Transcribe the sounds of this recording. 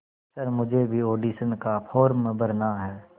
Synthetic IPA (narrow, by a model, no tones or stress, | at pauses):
sɐɾmʊd͡ʒʱebʱioːɖiːsənkapʰɔːɾmbɐɾnaɦɛː